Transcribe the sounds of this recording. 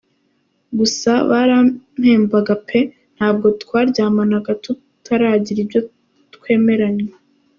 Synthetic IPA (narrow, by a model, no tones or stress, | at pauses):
ɡusaβaɾam̥he̞ːmbaɡapʰe̞ | n̥haːb̚ɡo̞tkwaːɾɟaːmanaɡatu | tʰaɾaːɟiɾibɟo̞ | tkwe̞ːme̞ɾaɲwe